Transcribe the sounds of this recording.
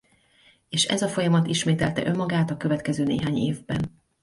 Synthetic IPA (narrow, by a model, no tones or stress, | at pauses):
eːʃɛ̰zɒfo̞jɒmɒt̪iʃmeːt̪ɛlt̪ɛ̰ʔø̞mːɒɡaːt̪ɒkø̞vɛt̪kɛzøːneːɦaːɲḛːvbɛn